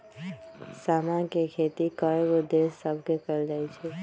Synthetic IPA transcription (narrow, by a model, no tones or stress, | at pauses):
saːmãnkekʰeːt̪ikəebod̪eːssəbʱkekəɾd͡ʒaːit͡ʃʰeː